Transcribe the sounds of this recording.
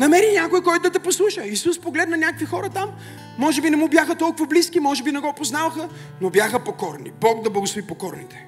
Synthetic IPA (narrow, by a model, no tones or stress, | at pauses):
nɐmɛɾinʲakoikɔjt̪ʊd̪ɐt̪ɛposlˠuʃəisuspoɡlɛd̪nɐnʲakəkvixɔɾət̪amː | ɔʒɛbinɛmubjaxət̪ɔlˠkʊvɐbliskimɔʒɛbinɛɡɔpoznavɐxə | nobjaxəpokɔɾnibɔkd̪ɐblˠɐɡʊsˠovipokɔɾnit̪ɛ̥